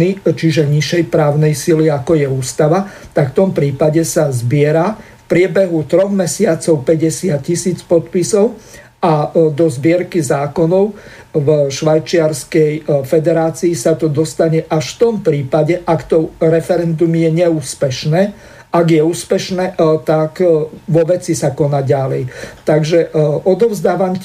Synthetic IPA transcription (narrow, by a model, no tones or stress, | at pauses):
it͡ʃiʒɛɲiʃɛjpɾaːʊnɛjsiliakɔjɛuːst̪aʋat̪akft̪ɔmpɾiːpaɟɛsazbɪɛɾafpɾɪɛbɛɦut̪ɾɔɣmɛsɪat͡sɔʊpɛɟɛsɪat̪̚cisiːt͡spɔt̪pisɔʊ | ad̪ɔzbɪɛɾkizaːkɔnɔʊ | vʃʋajt͡ʃɪaɾskɛjfɛd̪ɛɾaːt͡siːsat̪ɔd̪ɔst̪aɲɛʔaʃft̪ɔmpɾiːpaɟɛʔakt̪ɔɾɛfɛɾɛnd̪umjɛɲɛuːspɛʃnɛː | ʔaɡjɛuːspɛʃnɛːt̪akʋɔʋɛt͡sisakɔnaːɟalɛjt̪aɡʒɛʔɔd̪ɔʊzd̪aːʋam